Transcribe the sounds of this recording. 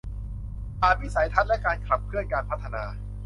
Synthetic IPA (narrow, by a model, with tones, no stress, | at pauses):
ʔaː˨˩t̪̚wi˦˥sa˩˦jt̪ʰa˦˥lɛ˦˥kaː˧nkʰla˨˩p̚kʰɯ˥˩ənkaː˧npʰa˦˥t̪ʰːa˧naː˧